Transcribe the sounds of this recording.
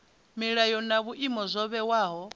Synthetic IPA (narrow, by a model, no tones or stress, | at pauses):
miɺajɔnaβuʔimɔzʷɔβɛwaːɦɔ